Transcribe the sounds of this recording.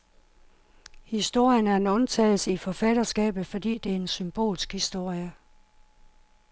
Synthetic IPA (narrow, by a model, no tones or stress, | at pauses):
hisd̥o̝ɐ̰jənæɐe̝nɔ̽nt͡sʰɛ̰ːl̩səifɒ̽fæd̥ɐsɡ̥ɛ̰ːb̥ð̩ˠfɒ̽d̥ḭːd̥e̝æɐe̝nsymb̥o̝̰ːlsɡ̥hisd̥o̝ɐ̰jə